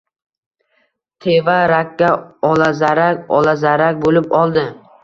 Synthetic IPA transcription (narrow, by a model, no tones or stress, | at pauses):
t̪ʰevaɾakʲːaɒlazaɾakʲɒlazaɾak̚ʲbolɪpɒlˠd̪ɪ